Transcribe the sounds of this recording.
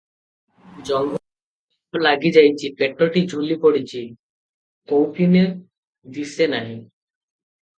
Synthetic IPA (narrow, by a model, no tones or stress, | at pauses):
d͡ʑɔŋɡ | laɡid͡ʑajt͡ɕʰipeʈɾoʈid͡ʑʱulipoɽit͡ɕʰi | kowpʰine | d̪isenaɦĩ